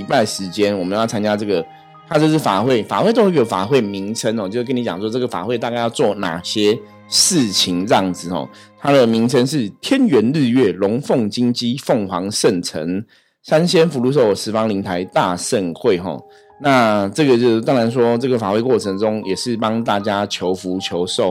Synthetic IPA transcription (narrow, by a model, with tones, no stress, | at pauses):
i˧pa˥˩ɪʂɻ̩˧˦t͡ɕjɛ˦nwɔ˨˩mə˦jʊt͡sʰa˥nt͡ɕja˥ʈ͡ʂɤ˥˩ɡə˩ | t̪ʰa˥t͡ɕjo˥˧ʊʂ̬̩˥˩fa˨˩xwe˥˩ɪfa̰˨˩xwe˥˧ɪt̪o˥˧˥i˥˩ə˨˩fa̰˨˩xwe˥˩ɪmi˧˦˥ŋt͡sʰə˦˥nɔ˨t͡ɕo˥˧ʊʂkə˦˥ni˧˥t͡ɕjɑ̰˨ŋs̬wɔ˥ʈ͡ʂɤ˥˩ɡə˩fa̰˨˩xwe˥˧ɪt̪a˥˧ka˥˧ɪjɑ˥˧ʊt͡swɔ˥˩na̰˨˩ɕjɛ˥ | ʂɻ̩˥˨t͡ɕʰi˧˥ŋɻɑ˥˩ŋd͡zɹ̩˨˩xɔ̰˨˩t̪ʰa˥d̪ə˨mi˧˥ŋt͡sʰə˦nʂ̬ɻ̩˥˩t̪ʰjɛ˦˥nɥɛ˧˥nl̩˥˧ɥɛ˥˩lʊ˨˧˥ŋfo˥˨ŋt͡ɕi˥˦ŋt͡ɕi˥fo˥˩ŋxwɑ˧˥ŋʂə˥˨nt͡sʰə̰˧˦ŋ | sa˦nɕjɛ˥nfu˧˥lu˧ʂ̬o˥˩ʊ˩ʂɻ̩˧˥fɑ˥ŋli˧˥ŋt̪ʰa˧˥ɪt̪a˥˧sə˥˧nxwe˥˨ɪxɔ̰˨˩ | na˥˧ʈ͡ʂɤ˥˩ɡə˩t͡ɕjo˥˧ʊ˩t̪ɑ˥ŋɻa˧˥ns̬wɔ˥ʈ͡ʂɤ˥˩ɡə˩fa˨˩we˥˧ɪkwɔ˥˩t͡sʰə˧˦ŋʈ͡ʂʊ˦ŋjɛ˨˩ʂɻ̩˥˩pɑ˥ŋt̪a˥˩t͡ɕja˥t͡ɕʰjo˧˦ʊfu˧˥˦t͡ɕʰjo˧˦ʊʂo˥˨ʊ